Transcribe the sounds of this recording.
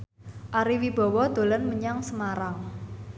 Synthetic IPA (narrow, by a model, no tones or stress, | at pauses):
ʔaɾiwib̥ɔ̤wɔd̪̥o̤lənməɲaŋsəmaɾaŋ